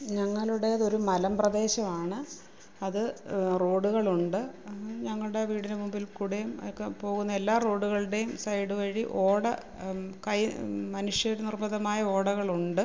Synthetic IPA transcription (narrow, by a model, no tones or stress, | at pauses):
ɲɐŋːɐɭuɽe̞ɐðo̞ɾumɐlɐmprɐd̪e̞ːɕɐmaːɳɨ | ɐðɨro̞ːɖuɣɐɭuɳɖɨɲɐŋːɐɭuɽe̞ʋiːɽinemumbilkuɽejumkːepo̞ːɣunːɐelːaːro̞ːɽuɣɐɭɽe̞jumsɐjɽɨʋɐɻiʔo̞ːɽɐ | kɐjmɐnuʂjɐɾnirmɐðɐmaːjɐo̞ːɽɐɣɐɭuɳɖɨ